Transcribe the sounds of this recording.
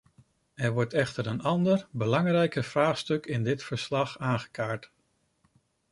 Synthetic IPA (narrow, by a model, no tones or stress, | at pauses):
ɛɹʋɔɹtɛχtəɾənɑndəɹbəlɑŋrɛjkəv̥raːχstɵkɪndɪtfəɹslɑχaːnχə̥kaːɹt